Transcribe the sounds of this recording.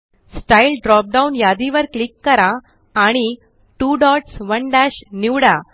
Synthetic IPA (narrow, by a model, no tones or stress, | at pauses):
sʈailɖɾɔp̚ɖaunjad̪iʋəɾklikːəɾaː | ɽ̃i | ʈuːɖɔʈsʋəɳɖaɕniʋɽa